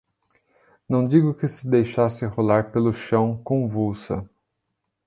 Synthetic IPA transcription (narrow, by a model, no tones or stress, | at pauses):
nɐ̃w̃d͡ʒiɡʊkɪsɪd̪ejʃasɪholaɾpelʊʃɐ̃w̃kõvuwsɐ̰